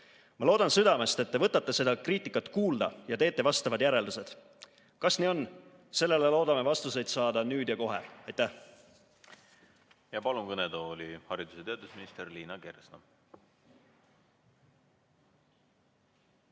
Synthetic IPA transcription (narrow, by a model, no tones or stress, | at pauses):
mɑlo̞ːd̪ɑnsɨd̪ɑme̞st̪e̞t̪ːe̞vɤt̪ːˑɑt̪ːe̞se̞d̪̥ɑkriːt̪ːˑikːˑɑt̪ːˑkuːld̪ɑ̰jɑt̪e̞ːt̪ːˑe̞vɑst̪ɑvɑd̪jæɾe̞ld̪use̞d̪̥ | kɑsniːo̞n | se̞lːe̞lelo̞ːd̪ɑme̞vɑst̪use̞jd̪sɑːd̪ɑnyːd̪jɑko̞ɦe̞̰ɑjt̪ːˑæh | jɑpɑlumkɤned̪olihɑɾid̪use̞t̪eɑd̪̥usminist̪erliːnɑke̞rsnɑ